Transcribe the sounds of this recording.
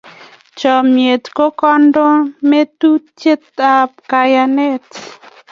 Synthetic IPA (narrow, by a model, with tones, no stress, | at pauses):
t͡ʃɔ˨mje˨t̪ko˦kɔ˦ndo˦me˦t̪u˦t͡ʃe˦t̪a˨p̚ka˨ja˧nɛ˦t